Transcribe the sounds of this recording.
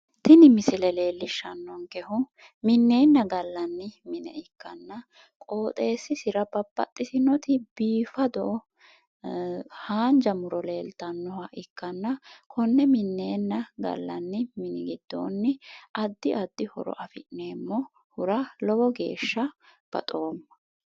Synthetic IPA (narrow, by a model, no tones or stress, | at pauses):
t̪ɪnɪmɪsɪlɛle̞ːlːɪʃːɐnːɔŋkɛhʊ | mɪnːe̞ːnːɐɡɐlːɐnːɪmɪnɛ̰ɪkːɐnːɐ | kʼoːt̪ʼe̞ːsːɪsɪɾɐbɐbːɐ̰t̪ʼːɪsɪnɔt̪ɪbiːfɐd̪ɔʔɔ | haːnd͡ʒɐmʊɾɔle̞ːlt̪ɐnːɔhɐʔɪkːɐnːɐkʰɔnːɛmɪnːeːnːɐɡɐ̰lːɐ̰nːɪmɪnɪɡɪd̪̥ːo̰ːnːɪʔɐd̪ːɪʔɐd̪ːɪhɔ̰ɾɔ̰ʔɐfɪʔneːmːɔ | hʊɾɐlɔbɔɡe̞̰ːʃːɐb̥ɐ̰t̪ʼo̞ːmːɐ̥